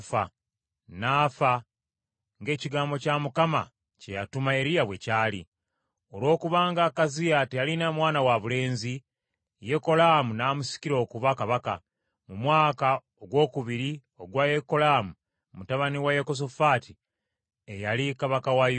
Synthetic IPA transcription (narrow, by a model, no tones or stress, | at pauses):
fa | naːfa | ŋɡe̞ːciɡaːmbo̞camukama̰ | cejatumae̞ɾijaβwe̞caːlḭ | o̞lwo̞ːkuβaːŋɡakazijatejalinamwaːnawaβule̞ːnzi | je̞ko̞lamunaːmusi̥ciɾo̞ːkuβakaβaka | mumwaːka | oɡwo̞ːkuβiɾi | o̞ɡwajeko̞laːmu | mutaβaniwajeko̞s̬ofaːti | ejalikaβakawaj